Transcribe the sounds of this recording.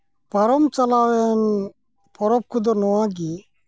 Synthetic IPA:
pɐɾɔmt͡ʃalawɛn | pʰɔɾɔp̚kʰud̪ɔnɔwãk̬i

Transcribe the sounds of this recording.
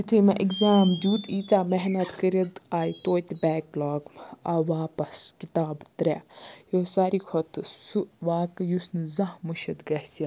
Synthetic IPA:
it̪ʰimɐʔikzaːmd̪ʲuːt̪iːt͡saːmɛɦnɐt̪kəɾɐd̪aːjt̪oːt̪ʲbɛːklɔːɡɐʋaːpɐskit̪aːbt̪ɾʲɛjoːsaɾikʰɔt̪ɨsuʋaːkjusnɨzɐhmuʃɐd̪ɡɐhsɐ

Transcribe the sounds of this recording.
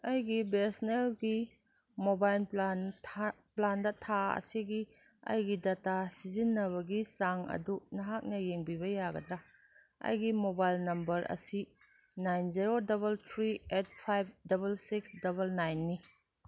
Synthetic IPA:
ɐjɡibesnelɡi | mobajlanʰ | plandɐtʰaɐ̰siɡi | ɐ̰jɡidatasizinːɐβɐɡisaŋɐ̰dunɐɦak̚nɐjeŋbibɐjaɡɐdɾa | ɐ̰jɡimobajlnɐmbɐɾʔɐ̰si | najnziɾodɐβɐltʰɾiet̚pʰajb̚dɐbɐlsiksdɐβɐlnajnːi

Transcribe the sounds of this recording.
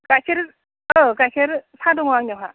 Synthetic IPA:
kakʰiɾ | əkakʰiɾsʰaduŋwaŋɲaɦa

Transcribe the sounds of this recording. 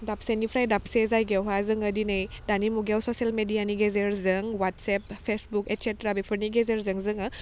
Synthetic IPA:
dap̚senipʰɾajdap̚sezajɡɛwɦazɯŋədinɯj | danimuɡawsɔsielmedijaniɡezeɾzɯŋwatsɛp̚pʰesbuketsetɾabepʰɯɾniɡezeɾzɯŋzɯŋɯ

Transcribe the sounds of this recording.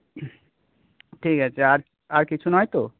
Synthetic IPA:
ʈʰikat͡ɕʰeaɾ | aɾkit͡ɕʰunɔjt̪o

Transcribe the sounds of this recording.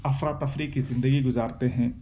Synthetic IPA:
ɐfɾaːt̪ːɐfɾiːkkizɪ̃nd̪əɡiɡʊzaːɾt̪eɦɛ̃ː

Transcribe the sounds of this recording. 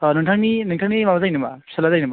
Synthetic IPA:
nɯŋtʰaŋninɯŋtʰaŋnimabazajnɯmḁsalazajnɯma

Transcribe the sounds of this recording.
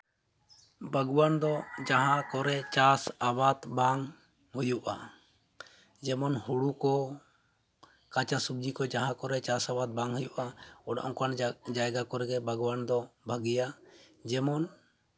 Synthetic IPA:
bʱəɡwand̪ɔd͡ʒaɦãkɔɾɛt͡ʃasabat̪baŋ | hujuʔa̰ | d͡ʒɛmɔnhuɽukɔ | kat͡ʃasub̚d͡ʒikɔd͡ʒaɦãkɔɾɛt͡ʃasabad̪̚baŋɦujuʔaɔɽa̰ʔɔ̃kand͡ʒajɡakɔɾɛɡɛbʱəɡwand̪ɔbʱəɡija | d͡ʒɛmɔn

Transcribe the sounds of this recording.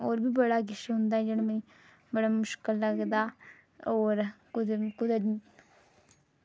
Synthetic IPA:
oːɾbʱiːbəɽaːɡɪʃɦʊnd̪aːɦɛd͡ʒɪnməĩ | bəɽamʊʃkɪlːəɡd̪aː | oːɾkʊkʊd̪ə

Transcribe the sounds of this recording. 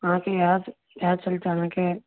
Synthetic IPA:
ãkejaːd̪ | jaːd̪̚t͡ʃɐlt͡ʃaːnəke

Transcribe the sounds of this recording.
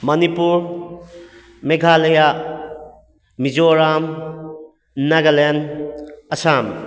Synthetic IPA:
mɐnipuɾ | meɡʱaleja | mid͡ʒoɾam | naɡalen | ɐsam

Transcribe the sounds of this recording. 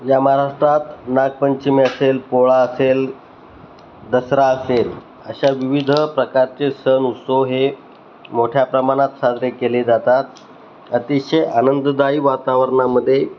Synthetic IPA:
jamaɾaʂʈɾat̪naɡ̚pəɲt͡ɕimeəselpoɭaəsel | d̪əsɾaəsel | ə̰ɕaʋiʋid̪ʱəpɾəkaɾt͡sesənut̪soɦe | moʈʰjapɾəmaɽ̃at̪sad̪ɾekeled͡zat̪at̪ | ət̪iɕəjanənd̪d̪aiːʋat̪aʋəɾɳaməd̪ʱːje

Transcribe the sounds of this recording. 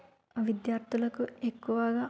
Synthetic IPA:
ɐʋid̪jaːɾt̪ʰulɐkuekːuʋaːɡa

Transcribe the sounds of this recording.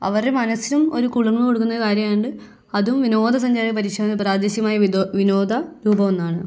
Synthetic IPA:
ɐ̰ʋɐremɐnɐsilumo̞̰ɾukuɭɐŋːɐɭko̞ɽukːunːɐkaːɾjɐmaːjuɳɖɨ | ɐðumʋino̞ːd̪ʱɐs̬ɐɲd͡ʑaːɾɐp̬ɐɾiʂeʋɐnːɐpraːd̪eːɕjɐmaːjɐʋino̞ːd̪ʱɐɾuːbɐmonːaːɳɨ

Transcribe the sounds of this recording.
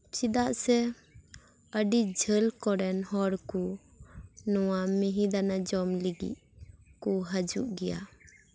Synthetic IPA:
t͡ʃid̪aʔsɛ | əɖid͡ʒʱəlkɔɾɛnhɔɽku | nɔwamiɦid̪anad͡ʒɔmliɡḭʔ̚ | kuɦad͡ʒṵʔɡɛja̰

